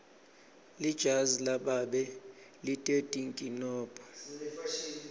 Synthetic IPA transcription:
lid̥ʒ̥ʱazilaɓaɓɛ | litʼetʼiŋkʼinɔːpʼɔ̥

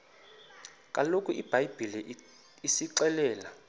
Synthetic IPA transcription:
kʼalokʼuʔib̥ʱajb̥ʱili | isiǀɛlɛːla

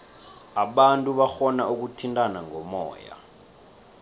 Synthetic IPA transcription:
aɓantʼuɓaxɔnaʔuk̬utʰintʼanaŋʱɔmɔ̰ːja̰

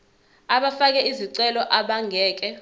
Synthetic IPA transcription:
aɓafak̬ɛiziǀɛlɔʔaɓaŋɡʱɛːk̬ɛ

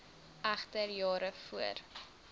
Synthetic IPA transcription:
ʔæχtərjɑːɾəfuər

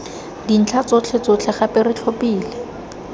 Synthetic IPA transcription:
din̩t͡ɬʰat͡sot͡ɬʰɛt͡sot͡ɬʰɛχapɪrɪt͡ɬʰopʼiːlɪ

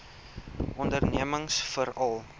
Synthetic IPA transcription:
ʔɔndərniəməŋsfəɾɐlˠ

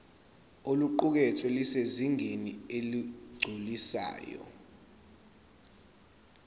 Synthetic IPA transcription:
oluǃuk̬ɛtʰɛliseziŋʱenieliɡ͡ǀʱulisa̰ːjɔ̰

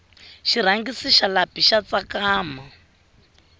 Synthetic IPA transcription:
ʃiɾ̤aŋɡisiʃalapiʃat͡sakaːma

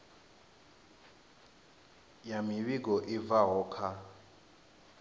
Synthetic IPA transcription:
jamiɓik̬ɔʔivaɦɔːkʰa

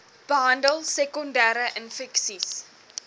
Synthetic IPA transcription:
b̥əɦɐndəlˠsɛkɔndæːɾəʔənfɛksis

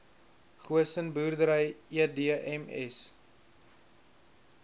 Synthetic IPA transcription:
χuəsənbuːrdəɾəjiədiəɛmɛ̰s

